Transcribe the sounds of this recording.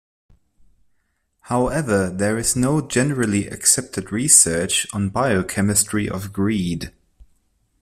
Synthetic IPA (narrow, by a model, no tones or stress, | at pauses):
haʊɛvə˞ðə˞ɪznoʊd͡ʒɛnəɹəlˠiʔɨ̰ksɛp̚tʰɨdɹisɜ˞t͡ʃn̩baɪoʊkʰɛmɨstɹ̥iʔə̰vɡɹiːd̥